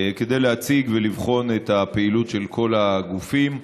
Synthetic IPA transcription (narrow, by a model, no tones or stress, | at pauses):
ked̪ejleat͡siɡvelivχo̞net̪apeilutʃe̞lkʰo̞laɡufim